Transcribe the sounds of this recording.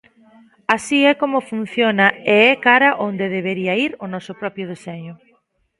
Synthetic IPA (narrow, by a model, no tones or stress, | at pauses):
asiɛkomʊfun̟θjonɐeɛkaɾɐʔond̪eðeβ̞eɾiɐiɾʊnɔsʊpɾɔpɾjʊð̞eseɲʊ